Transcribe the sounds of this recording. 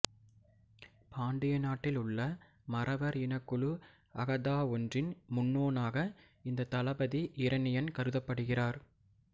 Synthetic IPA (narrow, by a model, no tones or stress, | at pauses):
paːɳɖɪjɐnaːʈːɪlʊɭːɐ | mɐrʔɐʋɐɾɪnɐkːɯɭɯ | ɐɣɐðaːɔndrɪnmʊnːoːnaːɣɐ | ɪnd̪ɐt̪ɐlɐbɐðiʔɪɾɐnɪjɐnkɐɾɯðɐpːɐɽɯɣɪraːɾ